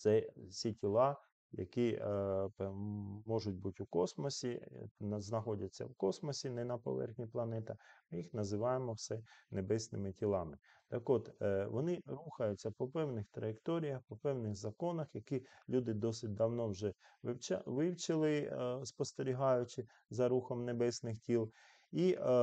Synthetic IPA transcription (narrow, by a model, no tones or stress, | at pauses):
t̪sɛsʲitʲilˠɑ | jɐ̰kipɛmɔʒʊtʲbutʲʊkɔsmɔsʲinznɐxɔdʲɐt͡sʲːɐ̰wkɔsmɔsʲinɛnɐpɔ̰ʋɛ̰rxnʲiplˠɐnɛt̪ɐmɪjixnɐzɪʋɑjemɔwsɛnebɛsʲnɪmɪtʲilˠɑmɪt̪ɐkɔt̪ʋɔnɪɾuxɐjʊt͡sʲːɐpɔpɛwnɪxt̪ɾɐjekt̪ɔɾʲijɐxpɔpɛwnɪɣzɐkɔnɐxjɐkilʲud̪ɪd̪ɔsɪt̚ʲd̪ɐwnɔwʒɛʋɪwt͡ʃʋɪwt͡ʃɪlˠɪspɔst̪eɾʲiɦɑjʊt͡ʃɪ | zɐɾuxɔmnebɛsʲnɪxtʲilˠ | i